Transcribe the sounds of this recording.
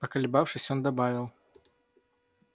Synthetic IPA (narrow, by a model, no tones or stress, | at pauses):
pakalʲbawʂɨsʲjɔnd̪abavʲiw